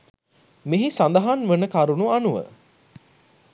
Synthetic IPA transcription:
miɦisand̪ɐɦanʋənəkaɾunuanuʋə̰

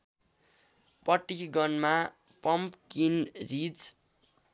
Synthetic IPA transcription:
pʌʈːiɡʌnma | pʌmpkinrit͡s

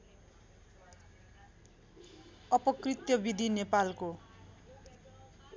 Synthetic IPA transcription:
ʌpʌkrit̪jʌbid̪ʱinepalko

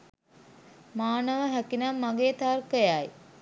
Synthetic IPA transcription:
maːnəʋəɦækinamːaɡeːt̪arkəjaj

